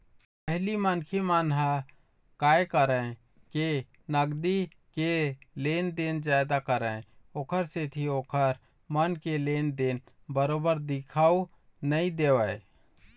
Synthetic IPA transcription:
pəɦlimənkʰimaːnɦa | kaːjkəɾə̃ | ke | nəɡd̪i | keleːnd̪end͡ʒaːɪd̪akəɾə̃oːkʰəɾset̪ʰioːkʰəɾ | mənkeleːnd̪eːn | bəɾoːbəɾd̪ɪkʰau | nəĩd̪eːʋəe

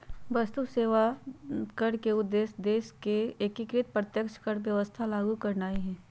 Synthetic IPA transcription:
bɐst̪useːʋakəɽkeʊd̪ːeːsd̪eːskeekɪkɾɪt̪̚pɾət̪jəkʃkəɽʋjɐʋəst̪ʰalaːɡukɐɾnaːiɦɛː

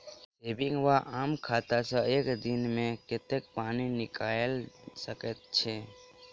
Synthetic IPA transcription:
eːbɪ̃ŋɡʋaʔaːmkʰaːt̪asəeːkd̪ɪnmẽkɪt̪ek̚paːninɪkaːelsəket̪̚t͡ʃʰeː

